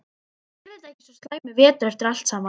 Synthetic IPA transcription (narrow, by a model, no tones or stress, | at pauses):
ɛvɛɾt̪aɛhcɪ̥sɔst̪laːjmɪvɛːt̪ʏɾɛft̪ɪɾal̥t̪sama